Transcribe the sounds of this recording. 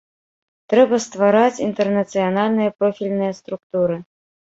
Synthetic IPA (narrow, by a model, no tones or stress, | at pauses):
t̪ɾɛbɐst̪vaɾat͡sʲint̪ɛrnɐt̪sɨjanalʲnɨjɐpɾɔfʲilʲnɨjɐst̪ɾukt̪uɾɨ